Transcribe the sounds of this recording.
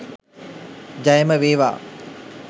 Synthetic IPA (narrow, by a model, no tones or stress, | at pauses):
d͡ʒajəməʋeːʋa̰ː